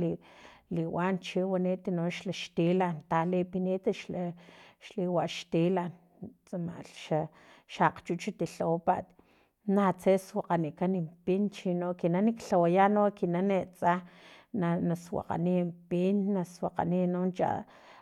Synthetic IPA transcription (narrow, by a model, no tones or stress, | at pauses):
liliwant͡ʃiwaniʔt̪inonʃlaʃt̪ilant̪alepiniːt̪aʃlaʃliwaʔʃt̪ilan | t͡sʼama̰ʔlʃa | ʃaqt͡ʃut͡ʃit̪iɬowpaʔt̪ | nat͡seswaqaniʔkanimpint͡ʃinoʔkinanikɬawajanokinanet͡sʼananaswa̰qa̰nimpinːaswaqa̰ninont͡ʃa̰